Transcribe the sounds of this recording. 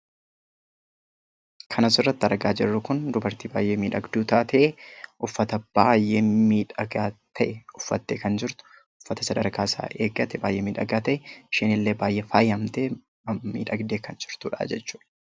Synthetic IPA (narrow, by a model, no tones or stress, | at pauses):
kʰɐnɐsɪrːɐt̪ːɐɾɡaːd͡ʒɛrːʊkʊnd̪ʊbɐɾt̪iːbaːjːeːmiːᶑɐɡd̪uːt̪aːt̪ʰɐʔeʔʊfːɐt̪ɐb̥aːjʔeːmiːᶑɐɡaːt̪ʰɐʔɛʊfːɐt̪ːeːkɐnd͡ʒɪɾt̪ʊ̥ | ʊfːɐt̪ɐsɐd̪ɐɾkaːsa̰ːʔeːɡɐt̪ɛba̰ːjʔeːmiːᶑɐɡaːt̪ɐʔɛʃɪnɪlːe̞ːbaːjʔeːfaːjɐmt̪eː | mḭːᶑɐɡd̪e̞ːkɐnd͡ʒɪɾt̪uːᶑa̰ːd͡ʒɛt͡ʃːuːᶑɐ